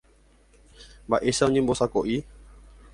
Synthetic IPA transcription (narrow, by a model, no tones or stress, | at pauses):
baʔesaɲĩmbɔsakɔʔi